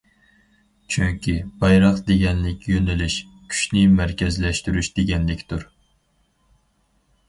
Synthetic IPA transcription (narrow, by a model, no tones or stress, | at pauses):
t͡ʃʰyŋkʲibɑjɾɑqd̪eɡʲɛnlɪkʲjønɪlyʃ | kʲʰy̥ʃnɪmæɾkʲɛzlɛʃt̪yɾyʃd̪̥eɡʲɛnlɪkʲt̪uɾ